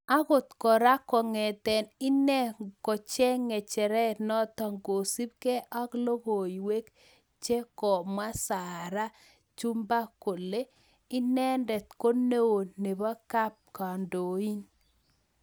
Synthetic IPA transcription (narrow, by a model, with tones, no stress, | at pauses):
a˦ɣʊ˨t̪kɔ˨ɾa˦kɔ˨ŋɛ˨t̪ɛ˨nɪ˦nɛ˦kɔ˨t͡ʃɛ˦ŋɛ˨t͡ʃɛ˨ɾɛ˦nɔ˦t̪ɔ˨ŋɡo˨si˦b̚ke˦ʔɔ˦klo˦ɣo˨i˨we˦k | t͡ʃe˦kɔ˨mwa˦sa˨ɾa˦ | t͡ʃu˦mba˦ko˨le˦ | ɪ˦nɛ˦ndɛ˨t̪̚ko˦ne˦wo˨ne˨ba˦ka˦p̚ka˨ndo˨i˦n